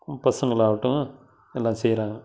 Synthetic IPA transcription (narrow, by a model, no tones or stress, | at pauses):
pɐsɐŋɡɐɭaːʋɐʈːʊ̃ | ɛlːãːsɛjɾaːŋɡɐ